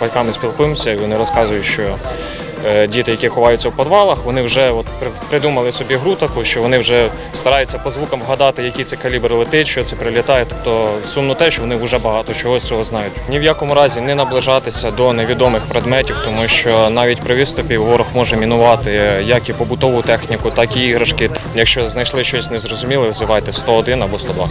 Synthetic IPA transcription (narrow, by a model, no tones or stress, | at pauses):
bɐlʲkɑmɪsʲpʲilˠkɪmsʲɐiʋɔnɪɾɔskɑzʊjʊʃt͡ʃɔ | dʲit̪ɪjɐkʲixʊʋɑjʊtʲt͡sʲːɐwpɔd̪ʋɑlˠɐxʋɔnɪwʒɛɔt̪ppɾɪd̪umɐlˠɪsɔbʲiɦɾut̪ɐkʊʃt͡ʃɔʋɔnɪwʒɛ | st̪ɐɾɑjʊt͡sʲːɐpɔzʋukɐmʋɦɐd̪ɑt̪ɪjɐkʲit̪sɛkɐlʲibɾɪlˠɪt̪ɪt͡ʃt͡ʃɔt̪sɛpɾɪlʲit̪ɑjɛt̪ɔpt̪ɔsumnɔt̪ɛʃt͡ʃɔʋɔnɪʊʒɛbɐɦɑt̪ɔt͡ʃɔɦɔt͡sʲɔɦɔznɑjʊtʲnʲiwjakɔmʊɾɑzʲinɛnɐblˠɪʒɑt̪ɪsʲɐd̪ɔneʋʲid̪ɔmɪxpɾed̪mɛtʲiwt̪ɔmuʃt͡ʃɔnɑʋʲitʲpɾɪʋɪst̪ɔpʲiʋɔɾɔxmɔʒɛmʲinʊʋɑt̪ɪjɐkipɔbʊt̪ɔʋʊt̪ɛxnʲikʊt̪ɑkiiɦɾɐʃkɪt̪jɐkʃt͡ʃɔznɐjʃlˠɪʃt͡ʃɔsʲnɛzɾɔzʊmʲilˠɪʋzɪʋɑjt̪ɛst̪ɔɔd̪ɪnɐbɔst̪ɔd̪ʋɑ̰